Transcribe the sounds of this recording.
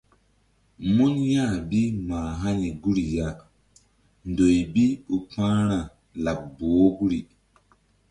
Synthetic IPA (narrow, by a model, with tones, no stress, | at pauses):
mu˦njã˦˨bi˦mãː˨ɦa˦ni˨ɡu˦ɾi˨ja˦ | n˨do˨jbi˦u˨pãː˦ɾ̃a˨ | la˨bboː˨˦ɡu˦ɾi˨